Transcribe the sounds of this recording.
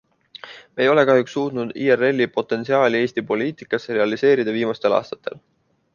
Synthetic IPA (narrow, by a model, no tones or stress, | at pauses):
mejo̞le̞kɑhjuksːuːt̪nud̪̥iːerːe̞lʲːipo̞t̪ˑːe̞nsiɑːlʲie̞ːst̪ipo̞liːt̪ˑikːˑɑseɾe̞ɑlise̞ːɾid̪ɑviːmɑst̪e̞lɑ̰ːst̪ɑ̥t̪ːˑe̞̰l